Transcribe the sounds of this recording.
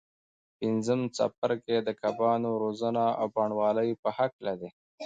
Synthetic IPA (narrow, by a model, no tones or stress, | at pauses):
pɪnzəmt͡sa̰p̚əɾked̪əkʰabɑnoɾozənaa̰wbɑɳwɑləjpəhaklad̪e